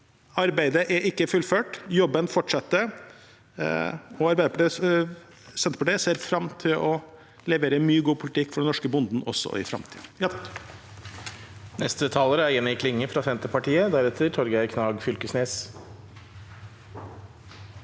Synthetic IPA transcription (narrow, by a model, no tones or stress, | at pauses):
ɑɾbæɪd̪əʔæʔɪkːəfʉlføːʈjɔbːənfɔʈʂɑt̪ːə | ɔɑɾbæɪd̪əpʰɑʈiː | sɛnt̪əpʰɑʈ̪iːəseːɾfɾɑmt̪ʰɪlɔ | lɛʋeːɾəmyːəɡuːpʰʊlɪt̪ʰɪkːfɔɖɛnɔʂkəbʊnd̪n̩ɔsːɔ̰ɪ̰fɾɑ̰mt̪ʰḭd̩̪j | nɛst̪ət̪ʰɑːləɾæɪnɪkʰlɪŋːəfɾɑfɛnt̪əpɑʈiːəd̪æɾɛt̪ʰəɾʈʰɔɾɡækʰnɑːɡfʏlkəsneːs